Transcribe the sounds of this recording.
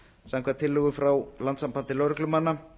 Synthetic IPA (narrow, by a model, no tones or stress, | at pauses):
samkʰɛt̪ʰɪlːʏɣʏfɾawlant̪sampant̪ɪlœwɾʏklʏmhanːa